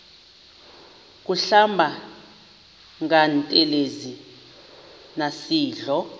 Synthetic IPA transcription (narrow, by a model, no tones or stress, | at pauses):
k̬ʼuɬambʱa | ŋantʼɛlezi | nasiːɮɔ